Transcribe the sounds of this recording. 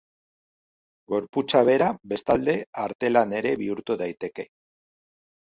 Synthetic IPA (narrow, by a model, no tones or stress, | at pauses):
ɡo̞ɾput͡saβ̞e̞ɾabe̞st̪ald̪e̞aɾt̪e̞lane̞ɾe̞βiuɾt̪uðajt̪e̞ke̞